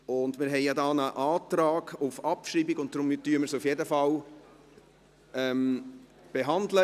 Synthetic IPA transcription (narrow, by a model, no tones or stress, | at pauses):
ʊndmɪɾɦɛɪjadɑːnəʔɑːt̪ɾɑːɡ̥ufɑpʃɾiːbiɡʊnt̚dɾʊmtyəməɾsufjedəfɑl | ɛm | b̥eɦɑndlə